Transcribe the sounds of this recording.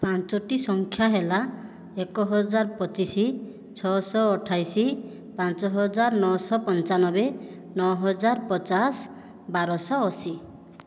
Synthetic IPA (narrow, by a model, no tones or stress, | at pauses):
pãnt͡ʃɔʈisɔŋkʰjaɦela | ekɔɦɔd͡ʒaɾpɔt͡ʃisi | t͡ʃʰɔsɔːʈʰajsi | pãnt͡ʃɔɦɔd͡ʒaɾnɔsɔpɔnt͡ʃanɔbe | nɔɦɔd͡ʒaɾpɔt͡ʃas | baɾɔsɔːsi